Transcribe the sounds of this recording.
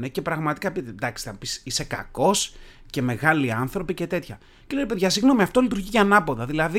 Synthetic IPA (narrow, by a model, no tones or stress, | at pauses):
nece̞pɾɐɣmɐt̪i̥kɐpit̪ed̪ɐkst̪ɐpisise̞kɐ̰ko̞s | ce̞me̞ɣɐliɐnθɾo̞pice̞t̪e̞t̪çɐ | celeɾipe̞ðʝɐsiɣno̞miɐft̪o̞lit̪uɾʝicːnɐpo̞ðɐðilɐði